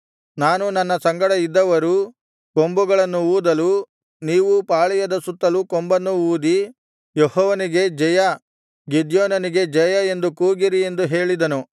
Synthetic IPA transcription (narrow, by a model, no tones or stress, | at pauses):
naːnunɐnːɐsɐŋɡɐɽɐid̪ːɐʋɐɾu | ko̞mbuɡɐɭɐnːuuːd̪ɐlu | niːʋupaːɭijɐd̪ɐsut̪ːɐlukombɐnːuuːd̪i | jehɔːʋɐniɡe̞d͡ʒɛjɐ | ɡid̪jɔːnɐniɡe̞d͡ʒɛjɐe̞nd̪ukuːɡiɾie̞nd̪uɦe̞ːɭid̪ɐnu